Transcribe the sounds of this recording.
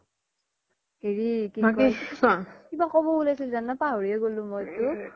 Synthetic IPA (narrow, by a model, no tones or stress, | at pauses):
heɹikiakɔisãkibakɔbɔulajsilzanɔpaɦoɹieɡolũmɔjtu